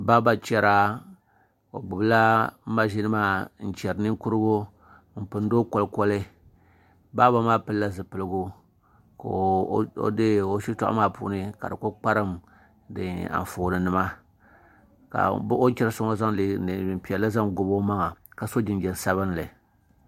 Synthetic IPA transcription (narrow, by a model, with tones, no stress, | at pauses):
ba˦ba˦t͡ʃɛ˨ɾa˦ | o̰˨ɡ͡bʊ˨bla˦m̩˦ma˦ʒi˦nɨ˦maː˦˨n̩˨t͡ʃɛ˨ɾɨ˨nɨ˦ŋ˦ku˦ɾɨ˦ɡo˦ | m̩˨pɨ˨n˦do˦kɔ˦lkɔ˦lɨ˦ | ba˦ba˦maː˦pɨ˦lla˦zɨ˨pɨ˨lɨ˨ɡu˦ | ko̰˦dɨ˦o˦ʃi˦ta̰˦ʔmaː˦pṵ˨nɨ˦ka˨dɨ˨ko˦k͡pa˦ɾɨ˦m | dɨ˨a̰˨ɱ˨foː˨nɨ˨nɨ˨˦ma˦ | ka̰˨bʔo˦t͡ʃɛ˦ɾsʊ˦ŋo˦za˦ŋli˨m˨pi˨ɛ˨la˦za˦ŋɡʊ˨bo˦ma˦ŋa˨ka˨so˦d͡ʒɪ˨nd͡ʒɛ˨n˨sa˦βɨ˦n˦lɨ˨